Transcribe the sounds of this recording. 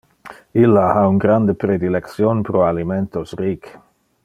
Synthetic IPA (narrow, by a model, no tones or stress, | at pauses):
ilːahauŋɡɾand̪epɾed̪ileksjonpɾoaliment̪osrik